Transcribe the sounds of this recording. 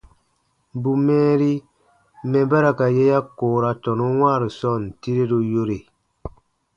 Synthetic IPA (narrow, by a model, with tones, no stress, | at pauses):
bu˨mɛː˦ɾi˦ | mɛ̃˨ba˦ɾa˨ka˨je˦ja˦koː˨ɾa˨tɔ˨nu˦wãː˦˨ɾi˨sɔ˦˨n˨ti˦ɾe˦ɾo˦jo˦ɾe˨